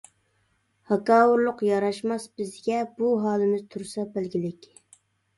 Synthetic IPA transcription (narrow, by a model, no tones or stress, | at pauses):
hɑkɑːwuɾlˠʊqjɑɾɑʃmɑsb̥ɪzɡʲɛbuɦɑːlˠɨmɪz̥t̪ʰuɾsɑbælɡʲilɪkʲ